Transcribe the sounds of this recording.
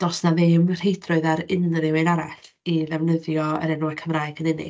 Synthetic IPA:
d̥ɔsnaðemr̥ejdrʊɨðaɾɪnɾɪwejnaɾaɬ | iðɛwnəðjɔə̰ɾɛnuakʰəmrajɡənɪnɪ̰

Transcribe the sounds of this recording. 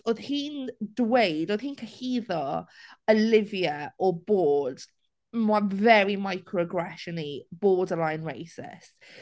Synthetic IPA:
oðhiːndwejdoð̥hiːnkʰəhiːðɔəlɪviəɔboːd̥ | mavɛɹimajkʰɹɔɡɹɛʃənib̥ɔːdəlajnɹejsɪ̰st

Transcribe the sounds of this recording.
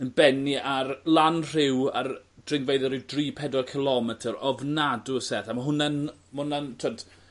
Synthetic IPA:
ənbɛniarlˠanr̥ɪwa̰rd̥rɪŋvejðɔɾɪdriːpʰɛdɔrkʰɪlˠɔmɛtʰəɾɔvnadʊəsɛθamaɦʊnɛn | mʊnantʰɔd̥

